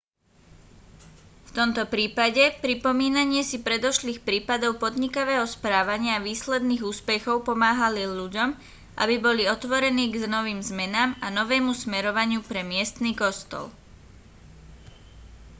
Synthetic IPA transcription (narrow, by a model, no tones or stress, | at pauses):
ft̪ɔmt̪ɔpɾiːpaɟɛpɾipɔmiːnaɲɪɛsipɾɛd̪ɔʃliːxpɾiːpad̪ɔʊpɔd̪ɲikaʋɛːɦɔspɾaːʋaɲɪaʋiːslɛd̪niːɣuːspɛxɔʊpɔmaːɦaliluɟɔm | ʔa̰bibɔliɔt̪ʋɔɾɛniːɡznɔʋiːmzmɛnaːmanɔʋɛːmusmɛɾɔʋaɲɪupɾɛmɪɛst̪niːkɔst̪ɔ̰l